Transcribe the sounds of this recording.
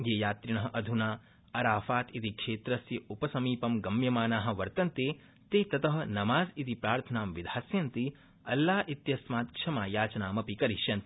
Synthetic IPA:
jeːjaːt̪ɾiɳɐɦɐ̆ʔɐd̪ʱunaː | ɐɾaːfaːt̪it̪ikʂeːt̪ɾɐsjɐʔupɐsɐmiːpɐmɡɐmjɐmaːnaːɦɐ̆ʋɐɾt̪ɐnt̪eː | t̪eːt̪ɐt̪ɐɦɐ̆nɐmaːzit̪ipɾaːɾt̪ʰɐnaːmʋid̪ʱaːsjɐnt̪i | ɐlːaːit̪jɐsmaːt̪̚kʂʰɐmaːjaːt͡ʃɐnaːmɐpikɐɾiʃjɐnt̪

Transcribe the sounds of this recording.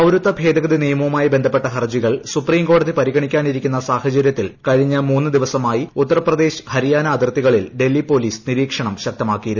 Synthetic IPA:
ɐwɾut̪ːɐbʱe̞ːd̪ɐɣɐðinijɐmɐʋɐmaːjibe̞nd̪ʱɐpːe̞ʈːɐɦɐrd͡ʑiɣɐɭsupriːmko̞ːɽɐðipɐɾiɣɐɳikʲːaːniɾikʲːunːɐsaːhɐt͡ɕɐɾjɐt̪ːilkɐɻiɲːɐmuːnːɨd̪iʋɐsɐmaːjiut̪ːɐɾɐprɐd̪e̞ːɕhɐɾijaːnɐːd̪irt̪ːiɣɐɭilɖe̞lːipo̞ːliːsniɾiːkʂɐɳɐmɕɐk̚t̪ɐmaːkːijɐɾu

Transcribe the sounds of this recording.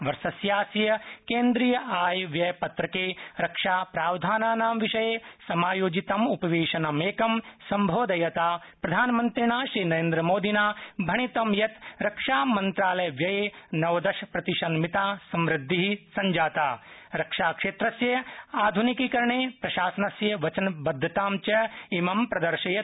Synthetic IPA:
ʋɐɾsɐsjaːsjɐkeːnd̪ɾiːjɐʔaːjʋjɐjpɐt̪ɾɐkeːɾɐkʂaːpɾaːwd̪ʱaːnaːnaːmʋiʂɐjeːsɐmaːjoːd͡ʒit̪ɐmupɐʋeːʃɐnɐmeːkɐmsɐmbʱoːd̪ɐjɐt̪aː | pɾɐd̪ʱaːnɐmɐnt̪ɾiɳaːʃɾiːnɐɾeːnd̪ɾɐmoːd̪ʱinaːbʱɐɳ̃it̪ɐmjɐt̪ɾɐkʂaːmɐnt̪ɾaːlɐjɐʋjɐjeːnɐʋɐd̪ɐʃɐpɾɐt̪iʃɐnmit̪aːsɐmɾɪd̪ʱːiɦisɐɲd͡ʒaːt̪aːɾɐkʂaːkʂeːt̪ɾɐsjɐaːd̪ʱunikikɐɾɳeːpɾɐʃaːsɐnɐsjɐʋɐt͡ʃɐnbɐd̪ʱːɐt̪aːmt͡ʃɐimɐmpɾɐd̪ɐɾʃɐjɐ

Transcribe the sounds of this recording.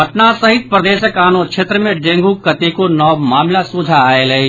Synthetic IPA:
ɐʈnasɐɦɪt̪̚pɾəd̪eːʃəkaːnõkʃʰeːt̪ɾəmẽɖẽːŋɡukɐt̪ekonɔːmaːmlasuːd͡ʒʱaːelɐi

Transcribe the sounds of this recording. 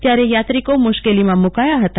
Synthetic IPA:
t̪jaɾejat̪ɾikomʊʃkelimãmʊkajaɦət̪a

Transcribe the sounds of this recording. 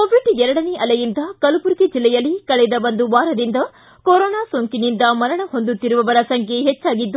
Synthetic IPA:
koːʋiɖɛɾɐɽɐneʔɐlɛjind̪ɐkɐlupuɾɡed͡ʒilːɛjɐlːikɐɭɛd̪ɐbɐnd̪uʋaːɾɐd̪ind̪ɐ | koɾɔːnaːsoŋkinind̪ɐmɐɾɐɳɐɦond̪ut̪ːiɾuʋɐʋɐɾɐsɐŋkʰeɦɛt͡ʃːaːɡid̪ːu

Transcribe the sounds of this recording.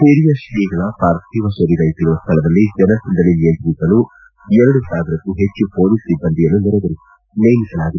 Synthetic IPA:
puɾijɐʃliːɡɐɭɐpaːɾt̪iʋɐʃɐɾiɾɐjt̪iɾuʋɐst̪ʰɐɭɐd̪ɐlːid͡ʒɛnɐsind̪ɐlinijenp̪ɾisɐlu | ɛɾɐɽusaːʋiɾɐkːuɦet͡ʃːupoːlisibːɐnd̪ijɐnːunɔɾɐʋɐɾi | nɐjnisɐlaːɡit̪ː

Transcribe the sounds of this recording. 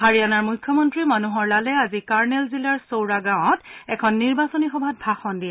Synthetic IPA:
haɹijanaɹmujkʰːjɔmɔntɹimanuɦɔɹlalɛazikaɹnɛlzilaɹsowɹaɡaw̃ɔ̃tɛkʰɔnːiɹbasɔnixɔbʱat̚bʱaxɔndijɛ

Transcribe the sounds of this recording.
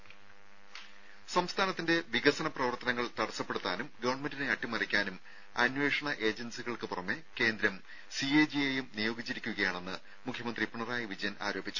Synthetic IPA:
sɐmst̪ʰaːnɐt̪ːinde̞ʋiɣɐsɐnɐprɐʋɐrt̪ɐnɐŋːɐɭt̪ɐɽɐsːɐpːe̞ɽut̪ːaːnumɡɐʋɐrɳme̞ndineɐʈːimɐrikʲːaːnum | ɐnʋe̞ːʂɐɳɐʔe̞ːd͡ʑensiɣɐɭkɨpurɐmːe̞ke̞ːnd̪ɾɐm | sieːd͡ʑiejumnijo̞ːɡit͡ɕːiɾikʲːuɣɐjaːɳe̞nːɨ | mukʰjɐmɐnd̪ripɐɳɐraːjiʋid͡ʑɐjɐna̰ːɾo̞ːbʱit͡ɕːu̥

